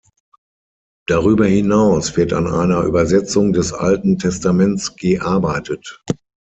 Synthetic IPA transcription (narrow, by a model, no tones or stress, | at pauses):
d̥aʁyːbɐhinaʊsv̥ɪɐta̰nʔa̰ɪnɐʔy̰ːbɐzɛt͡sʊŋdɛsʔa̰ltn̩tʰɛstamɛnt͡sɡ̥əʔaɐbaɪtət